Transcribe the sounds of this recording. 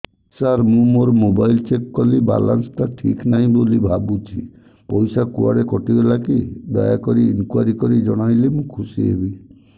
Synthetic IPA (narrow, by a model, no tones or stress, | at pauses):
saɾmũmoɾmobajlt͡ʃekkɔliba̰la̰nsʈaʈʰiknaɦĩbolibʱabut͡ʃʰḭ | pɔjsakua̰ɾekɔʈibelakid̪ɔ̰jakɔɾienkuwaɾikɔɾid͡ʒɔɽ̃ajlemũkʰusiḛbi